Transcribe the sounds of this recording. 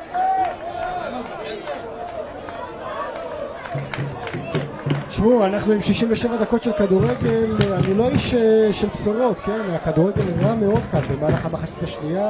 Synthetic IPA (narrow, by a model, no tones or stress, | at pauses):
ʃmuanaχnuimʃiʃimveʃevad̪ako̞tʃelkad̪uʁe̞ɡe̞lanilo̞iʃeʃelpsoʁo̞t̪ke̞naakad̪uʁe̞ɡe̞lʁame̞o̞d̪kalbemaːlaχamaχat͡sit̪aʃnia